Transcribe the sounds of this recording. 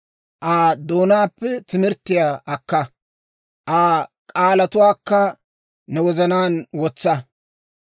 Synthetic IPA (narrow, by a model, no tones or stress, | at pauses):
ʔaːd̪oːnaːpːɛt̪ɪmɪɾt̪ːɪjaʔɐkːɐ | ʔaːkʼaːlɐt̪ʊwaːkːɐ | nɛwɔzɐnaːnwɔt͡sːɐ